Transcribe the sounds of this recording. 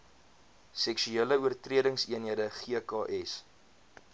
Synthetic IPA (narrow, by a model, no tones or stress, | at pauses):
sɛkʃyeləuərtriədəŋsiənɦiədəχiəkɑːʔɛs